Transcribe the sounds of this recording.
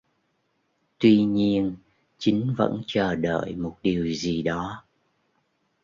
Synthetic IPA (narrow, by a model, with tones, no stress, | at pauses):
t̪wi˧ɲi˧ən | t͡ɕï˨˦ŋ̟və̰˧˥nt͡ɕəː˨˩ɗə̰ː˧˨jmo˨˩t̚ɗi˨˩əwzi˨˩ɗɔ˨˦